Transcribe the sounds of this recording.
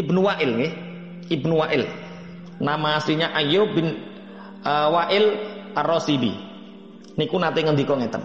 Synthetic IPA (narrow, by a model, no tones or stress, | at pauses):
ibnuwaʔɪlŋɡɪh | ibnuwaʔɪl | namasiɲaʔajobɪn | əwaʔɪlrɔsibḭ | nikunat̪eŋənd̪ikɔŋet̪ə̰n